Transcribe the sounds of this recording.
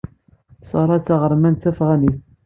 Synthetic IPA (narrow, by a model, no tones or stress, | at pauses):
sˤɑɾˤɑt͡sːɑʁəɾˤmænt̪æfʁæniθ